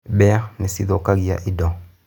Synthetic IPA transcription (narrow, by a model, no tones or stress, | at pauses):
bɛnesiðokaɣia̰ʔidɔ